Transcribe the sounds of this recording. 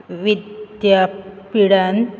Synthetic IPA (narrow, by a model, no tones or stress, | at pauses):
ʋid̪japiɽan